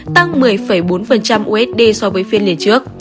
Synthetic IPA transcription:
t̪a˧ŋmɨ˨˩əjfə˧˩jɓo˨˦nfə˨˩nt͡ɕa˧mʔu˧˦ɛ˦˥t̚ɗe˧sɔ˧vəː˨˦jfi˧nli˨˧˩ət͡ɕɨ˦˥ək̚

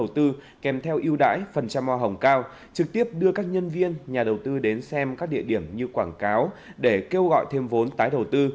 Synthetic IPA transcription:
ə˨˩wt̪ɨ˧ | kɛ˨˩mt̪ʰɛ˧wʔi˧əwɗa̰ː˧˥jfə˨˩nt͡ɕa˧mːwaː˧ɦə˨˩wŋ͡mkaː˧w | t͡ɕɨ˨˩k̚t̪i˦˥əp̚ɗɨ˧əkaː˦˥k̚ɲə˧nvi˧ənɲaː˨˩ɗə˨˩wt̪ɨ˧ɗe˨˦nsɛ˧mkaː˦˥k̚ɗḭ˧˨əɗi˧˩əmɲɨ˧kwaː˧˩ŋkaː˨˦wɗe˧˩ke˧wɣɔ̰˧˨jt̪ʰe˧mvo˨˦nt̪aː˨˦jɗə˨˩wt̪ɨ˧

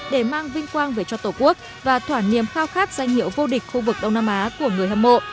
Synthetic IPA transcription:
ɗe˧˩maː˧ŋvï˧ŋ̟kwaː˧nveː˨˩t͡ɕɔ˧t̪o˧˩ku˦˥ək̚ | vaː˨˩t̪ʰwaː˧˩nḭ˨˩əmxaː˧wxaː˦˥k̚z̥a˧jŋ̟hḭ˧˨əwvo˧ɗï˨˩k̟xu˧vɨ˨˩k̚ɗə˧wŋ͡mnaː˧mʔaː˨˦ku˧˩əŋɨ˨˩əjha˧mmo̰˧˨ʔ

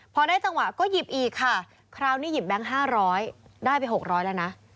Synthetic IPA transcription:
pʰɔ˧naː˥˩t͡ɕa˧ŋwa˨˩ʔkɔː˥˩ji˨˩p̚ʔiː˨˩kʰːa˥˩ | kʰɾaː˧wniː˥˩ji˨˩p̚bɛ˦˥˩ŋɦaː˥˩ɾɔː˦˥jdaː˥˩jpa˧jɦo˨˩k̚ɾɔː˦˥jlɛ˧wna˦˥ʔ

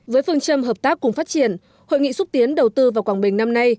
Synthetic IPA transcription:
vəː˨˦jfɨ˧əŋt͡ɕə˧mɦəː˨˩p̚t̪aː˦˥k̚ːʊ˨˩ŋ͡mfaː˦˥t̚t͡ɕi˨˧˩ən | ho̰˧˨jŋḭ˧˨sʊ˦˥t̚t̪i˨˦ənɗə˨˩wt̪ɨ˧vaː˨˩wkwaː˧˩ŋɓï˨˩ŋ̟na˧mna˧j

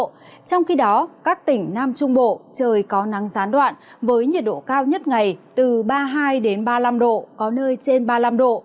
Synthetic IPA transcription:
t͡ɕɔ˧wŋ͡mxi˧ɗɔ˨˦kaː˦˥k̚t̪ï˧˩ŋ̟naː˧mt͡ɕʊ˧ŋ͡mɓo̰˧˨t͡ɕəː˨˩jkɔ˨˦na˨˦ŋzaː˨˦nɗwa̰ː˧˨nvəː˨˦jɲi˨˩t̚ɗo̰˧˨kaː˧wɲə˦˥t̚ŋa˨˩jt̪ɨ˨˩ɓaː˧ɦaː˧jɗe˨˦nɓaː˧la˧mɗo̰˧˨kɔ˨˦nəː˧jt͡ɕe˧nɓaː˧la˧mɗo̰˧˨

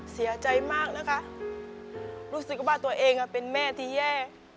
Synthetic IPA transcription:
si˩˦ɐt͡ɕa˧jmaː˥˩k̚na˦˧˥kʰa˦˧˥ʔ | ɾuː˦˥sɯ˨˩k̚waː˥˩t̪u˧ɐʔeː˧ŋʔa˧˩pe˨˧nmɛː˥˩˨t̪ʰiː˧˨jɛː˥˩

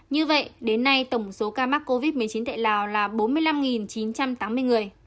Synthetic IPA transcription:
ɲɨ˧və̰˧˨jʔɗe˨˦nːa˧jt̪ə˧˩wŋ͡mso˨˦kaː˧maː˦˥k̚ko˧vi˦˥t̚mɨ˨˩əjt͡ɕi˨˦nt̪a̰˧˨laː˨˩wlaː˨˩ɓo˨˦nmɨ˧əjla˧mŋi˨˩nt͡ɕi˨˦nt͡ɕa˧mt̪aː˨˦mɨ˧əjŋɨ˨˩əj

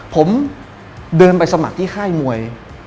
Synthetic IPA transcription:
pʰo˩˦m | dɤː˧npa˧jsa˧ma̰˨˩k̚t̪ʰiː˥˩xʰaː˥˩jmu˧əj

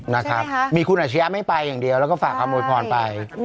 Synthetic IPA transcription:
na˦˥kʰɾa˦˥p̚miː˧kʰu˧nʔaː˨˩t̪t͡ɕʰa˦˥jaː˦˥ma˥˩jpa˧jːaː˨˩ŋdi˨˧əwlɛ˦˥wkɔː˥˩faː˨˩k̚ʰːaː˧mːnuː˧jpʰɔː˧npa˧j

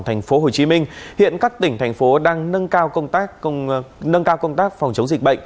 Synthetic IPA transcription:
t̪ʰa˨˩jŋ̟fo˨˦ɦo˨˩t͡ɕi˨˦mï˧ŋ̟hḭ˧˨ənkaː˦˥k̚t̪ï˧˩ŋ̟t̪ʰa˨˩jŋ̟fo˨˦ɗaː˧ŋnə˧nkaː˧wkə˧wŋ͡mt̪aː˦˥k̚ːə˧ŋ͡mnə˧nkaː˧wkə˧wŋ͡mt̪aː˦˥k̚fwŋ͡mt͡ɕə˨˦wŋ͡mzi˨˩k̚ɓə̰˧˨ŋ̟

